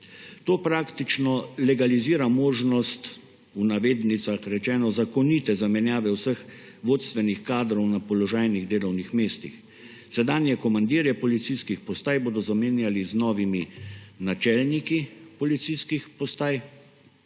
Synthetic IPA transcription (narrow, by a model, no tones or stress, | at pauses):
t̪oːpɾakt̪it͡ʃnɔlɛɡaliziːɾamoːʒnɔst̪ | unaʋeːd̪nit̪saxɾɛt͡ʃɛːnɔzakɔnit̪ɛzamɛnjaːʋɛwsəx | ʋoːt̪st̪ʋɛnixkaːd̪ɾɔwnapɔlɔʒaːjniɣd̪eːlɔwnixmeːst̪ḭx | sɛd̪aːnjɛkɔmand̪iːɾjɛpɔlit̪siskixpɔst̪aːjboːd̪ɔzameːnjaliznɔːʋiminat͡ʃɛlnikipɔlit̪siskixpɔst̪aːj